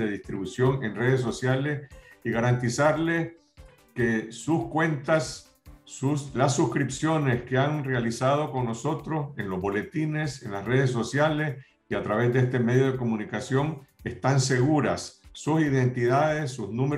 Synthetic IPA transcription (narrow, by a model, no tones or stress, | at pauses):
eðist̪ɾiβusjo̞ŋe̞nre̞ð̞es̬ːo̞sjale̞siɣaɾant̪isaɾle̞s | ke̞suskwe̞nt̪asː | uslasːuskɾipsjo̞ne̞skeaŋrealisað̞o̞ko̞ŋno̞so̞t̪ɾo̞se̞nlo̞zbo̞le̞t̪ine̞se̞nlasre̞ð̞es̬ːo̞sjale̞s | iat̪ɾaβe̞zd̪est̪e̞me̞ðjo̞ð̞eko̞mũnikasjo̞ŋe̞st̪anse̞ɣuɾasːusiðe̞nt̪iðaðesːuznũme